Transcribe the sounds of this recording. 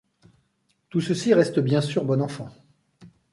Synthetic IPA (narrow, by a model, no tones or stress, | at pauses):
t̪usəsiʁɛst̪əbjɛ̃syʁbɔnɑ̃fɑ̃